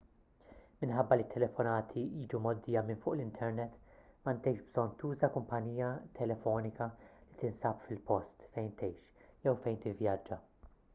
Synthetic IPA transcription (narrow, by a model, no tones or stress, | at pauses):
mɪnħɐbːɐlit̪ʰːɛlɛfɔnɐːt̪ʰiiːd͡ʒumɔd̪ːiːjɐmɪnfʊːʔlɪnt̪ʰɛɾnɛt̪ːmɐnt̪ɛjʃbzɔnːt̪uːzɐkʊmpɐniːjɐt̪ʰɛlɛfɔːnɪkɐlit̪ɪnsɐːpfɪlpɔst̪fɛjnt̪ɛjʃjɛwfɛjnt̪ɪvjɐd͡ʒːɐ